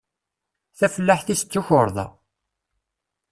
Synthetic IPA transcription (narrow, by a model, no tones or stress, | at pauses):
θæfəlːaħθisə̥t͡sːuçoɾˤðˤɑ̰